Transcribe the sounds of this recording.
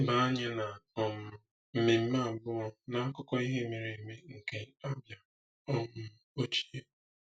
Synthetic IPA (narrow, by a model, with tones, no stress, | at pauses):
ba˨a˦ɲe˦na˨ɔ˨mʊ˨ | m̩˨me˨m̩˦ma˦˨bʊ˦ɔ˦na˨a˦kʊ˦kɔ˦i˦ɦe˦mi˨ɾi˨me˦ŋ̩˨ke˦a˦bja˨ | ɔ˨mʊ˦ | o˦t͡ʃi̥˦e˦